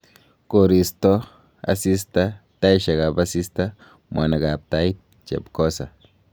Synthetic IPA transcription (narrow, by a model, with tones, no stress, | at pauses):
ko˨ɾi˨sto˦ | a̰˨si˦sta˦ta˦jʃa˨ɡa˨basi˦sta˦ | mwa̰˨na˨ɡa˨p̚ta˦jt̪̚ | t͡ʃḛ˨bkɔ˦sa˨